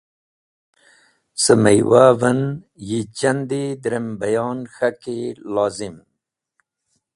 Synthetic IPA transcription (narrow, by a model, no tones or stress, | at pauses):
səmajwavan | jit͡ɕand̪ed̪ɾembajɑːnxakelɑːzɪm